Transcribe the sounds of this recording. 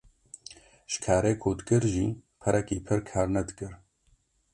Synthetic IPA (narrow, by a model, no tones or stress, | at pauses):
ʒ̥kʰaːɾeːkʰuːd̪ɨkɨɾʒiːpʰɛɾʔɛkiːpʰɨɾkʰaːɾnɛd̪ɨkɨɾ